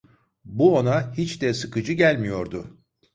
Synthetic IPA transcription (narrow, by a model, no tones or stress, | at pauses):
buonahit͡ʃd̪ɛsɯkɯd͡ʒɯɟælʲmijo̞ɾd̪ʊ